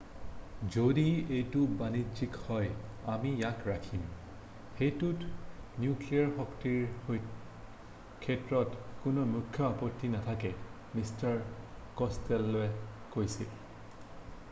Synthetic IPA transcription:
zodiejtubanizikhɔjamijakɹakʰim | xejtutnjukliaɹxɔktiɹ | kʰɛtɹɔtkʊnɔmukʰːjɔapɔtːinatʰakɛ | mistaɹkɔstɛlːoɛ | kojsḭl

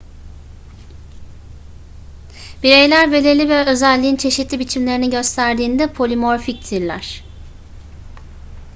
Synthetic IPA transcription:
b̥iɾe̞jlʲæɾbe̞lʲelʲivɛøzælʲːiːnt͡ʃʰe̞ʃit̪lʲibit͡ʃʰimlʲe̞ɾiniɟø̞st̪ʰæɾd̪iːnd̪ɛpʰo̞lʲymo̞ɾfic̚t̪ʰiɾlʲæ̰ɾ̥

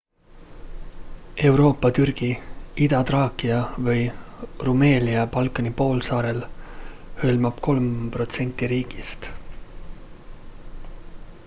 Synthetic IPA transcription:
e̞uwɾo̞ːpːˑɑt̪yrɡ̥iid̪̥ɑt̪rɑːkˑiɑvɤjrume̞ːlʲiɑpɑlkˑːɑnipo̞ːlsɑːɾe̞l | hølmɑb̥ko̞lmpro̞t̪se̞nʲt̪ːˑiɾiːɡ̥ist̪

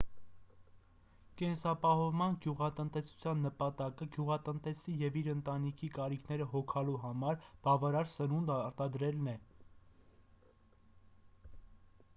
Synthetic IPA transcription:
kɛnsɑpɑhɔvmɑnɡjuʁɑt̪ənt̪ɛsu̥t͡sʰjɑnːəpɑt̪ɑkəɡjuʁɑt̪ənt̪ɛsijɛviɾənt̪ɑnikʰikɑɾikʰnɛɾəɦɔkʰɑluɦɑmɑɾb̥ɑvɑɾɑɾsənund̪ɑɾt̪ɑd̪ɾɛlnɛ

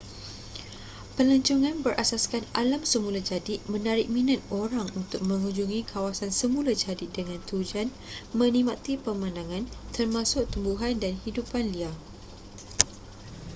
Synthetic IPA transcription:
pəlaɲt͡ʃuŋãnbərʔasaskanalamsəmulad͡ʒadɪʔ̪̚mə̃naɾɪʔ̚mĩnat̪̚oɾaŋunt̪ʊk̚mə̃ŋuɲd͡ʒuŋikʰawasansəmũlad͡ʒadɪt̪̚dəŋãnt̪ud͡ʒan | mə̃nĩmat̪ipəmanaŋãnt̪ərmãsʊk̚t̪umbuɦandanhidupanliah

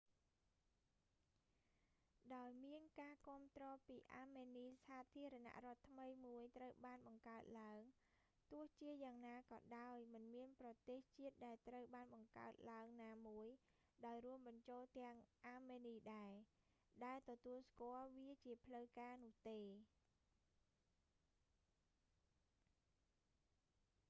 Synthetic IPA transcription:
ɗaɔjmiənkaːkŏəmt̪rɔːpiːʔaːmeːniːsaːt̪ʰiəɾana̰ʔrŏət̪ʰməjmuəjt̪rəwɓaːnɓɑŋkaət̪̚laəŋ | t̪ʊ̆əht͡ɕiəjaːŋnaːkɑːɗaɔjmɨnmiənprɑt̪eːht͡ɕiət̪̚ɗaɛlt̪rəwɓaːnɓɑŋka̰ət̪̚laəŋnaːmuəj | ɗaɔjrŭəmɓɑɲt͡ɕoːlt̪ɛ̆əŋʔaːmeːniːɗaɛ | ɗaɛlt̪ɔt̪uəlskŏəlʋiət͡ɕiəpʰləwkaːnʊ̆əht̪eː

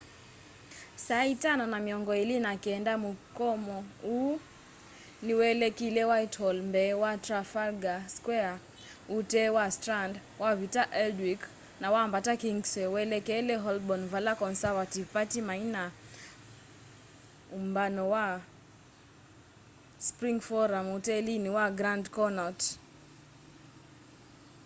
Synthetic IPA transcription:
saitananamiɔŋɡɔilinakiɛndamukɔmɔu | niwɛlɛkilɛwaithɔlmbɛwatɾafalɡaskwɛa | utɛwastɾandwavitaʔɛldwik | nawambatakiŋɡsɛwɛlɛkɛlɛɦɔlbɔnvalakɔnsavativpatimaina | umbanɔwa | spɾiŋɡfɔɾamutɛliniwaɡɾandkɔnɔt

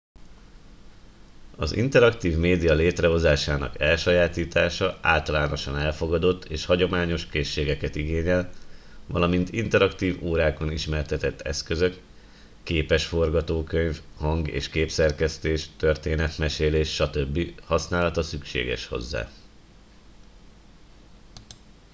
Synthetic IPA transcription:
ɒ̰zḭnt̪ɛɾɒkt̪iːvmeːd̪ijɒleːt̪rɛɦo̞zaːʃaːnɒ̰kɛlʃɒjaːt̪iːt̪aːʃɒa̰ːlt̪ɒlaːno̞ʃɒnɛlfo̞ɡɒd̪o̞t̪ːeːʃhɒɟo̞maːɲo̞ʃkeːʃːeːɡɛkɛt̪iɡeːɲɛl | vɒ̰lɒmint̪int̪ɛɾɒkt̪iːvoːɾaːko̞niʃmɛrt̪ɛt̪ɛt̪ʰːɛ̰skø̞zø̞kː | eːpɛʃfo̞rɡɒt̪oːkø̞ɲvhɒŋɡḛːʃkeːpsɛrkɛst̪eːʃt̪ø̞rt̪eːnɛt̪mɛʃeːleːʃːɒt̪øbːihɒsnaːlɒt̪ɒsykʃḛːɡɛ̰ʃho̞̰zːa̰ː

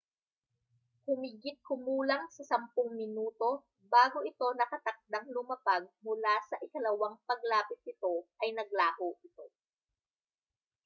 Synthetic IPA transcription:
hʊmɪɡɪt̪̚komuːlɐŋsɐsɐmpʊŋmɪnuːt̪o̞ | baːɡoʔɪt̪o̞nɐkɐt̪ɐk̚d̪aŋlʊmɐpaɡ̚mʊlasɐʔɪkɐlɐwaŋpɐɡ̚laːpɪt̪̚nɪt̪o̞ʔɐjnɐɡ̚laːhoʔɪt̪o̞

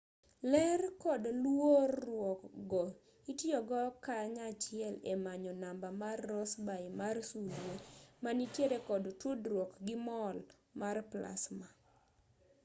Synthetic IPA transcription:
lɛrkɔdlworːwɔkɡɔ | itjɔɡɔkaɲat͡ʃɪɛlemaɲɔnambamarːɔsbaimarsulemanitjeɾekɔdtudɾwɔkɡɪmɔl | marpla̰sma

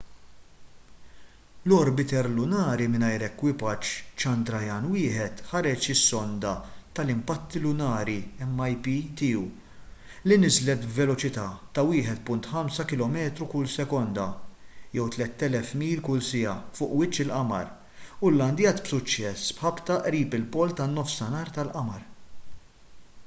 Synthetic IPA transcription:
lɔɾbɪt̪ɛɾlʊnɐːɾimɪnɐjɾɛkːwɪpɐt͡ʃt͡ʃɐnd̪ɾɐjɐnwɪːħɛt̪ħɐɾɛt͡ʃɪsːɔnd̪ɐt̪ɐlɪmpɐt̪ːilʊnɐːɾiɛmːɐjpit̪iːu | linɪzlɛt̪bvɛlɔt͡ʃɪt̪ɐːt̪ɐwɪːħɛt̪pʊnt̪ħɐmsɐkɪlɔmɛːt̪ɾukʊlsɛkɔnd̪ɐjɛwt̪lɛt̪ːɛlɛfmiːlkʊlsɪjɐfʊːʔwɪt͡ʃːɪlʔɐmɐ̰ɾ | ʊlːɐnd̪jɐt̪bsʊt͡ʃːɛsbħɐbt̪ɐʔɾiːpɪlpɔːlt̪ɐnːɔfsɐnɐːɾt̪ɐlʔɐmɐɾ

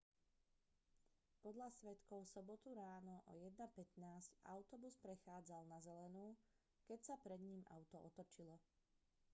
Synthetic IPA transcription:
pɔd̪ʎasʋɛt̪kɔʊsɔbɔt̪uɾaːnɔʔɔ̰jɛd̪̚napɛt̪naːsca̰ʊt̪ɔbuspɾɛxaːd͡zalnazɛlɛnuː | kɛcsapɾɛd̪ɲiːma̰ʊt̪ɔʔɔt̪ɔt͡ʃilɔ

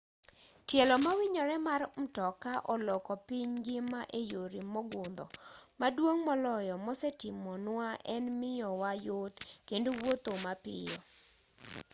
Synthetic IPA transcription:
tjɛlɔmawɪɲɔɾɛmarm̩tɔkaʔɔlɔkɔpiɲɡɪmaʔejoɾimɔɡʊnd̪ɔ̰madwoŋmɔlɔjɔmɔsɛtɪmɔnʊaʔɛnmɪjɔwajotkendowot̪omapɪ̰jɔ

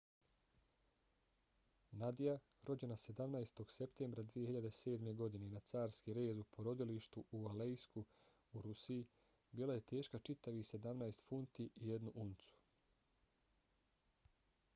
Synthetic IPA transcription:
nad̪ija | ɾʔo̞d͡ʑe̞nase̞d̪amnajst̪o̞ɡ̥se̞pt̪e̞ːmbɾad̪ʋije̞hiʎad̪ese̞ːd̪me̞ɡo̞d̪ine̞nat̪saːɾskiɾe̞ːzupo̞ɾo̞d̪iliʃt̪uʔualejsku | uɾusii | biːlaje̞t̪e̞ːʃkat͡ʃit̪aʋise̞d̪amnajst̪funt̪iʔːje̞d̪nuʔunt̪su̥

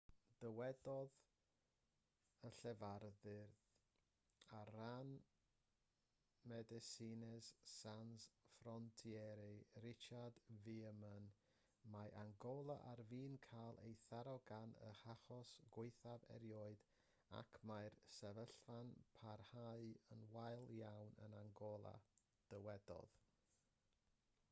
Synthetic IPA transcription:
d̥əwɛdɔð | əɬɛvarðɪrð | aran | mɛdɛsinɛz̥sansfrɔntʰiɛɾɪrɪt͡ʃardviəmən | maʔaŋɡɔlˠaʔarviːnkʰajlˠʔḛjθaɾɔɡanə̰haχɔsɡ̥wɪɨθavɛ̰ɾjɔːɨd | a̰kʰmajrsɛvəɬvanpʰarhaɨənwajlˠjawnə̰naŋɡɔlˠa̰ | d̥əwɛdɔ̰ð

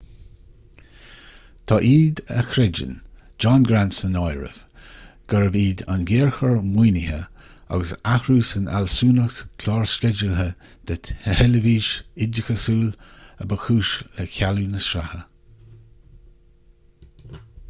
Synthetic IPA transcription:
t̪ʰɑːʔiːd̪ə̰xɾɛd͡ʒə̰n | d͡ʒɑnɡɾansənɔjɹə̰v̥ | ɡ̥əɹəbiːd̪a̰nɡeːɹxəɹmwiːnɪhə | a̰ɡəsaxɾuːsəna̰lsuːnəxt̪kʰlaːɹskɛd͡ʒəlɦə | d̪̥əthɛləviːʃɪdəxəsuːləbəxuːʃəkʰʲalunəsɾahə

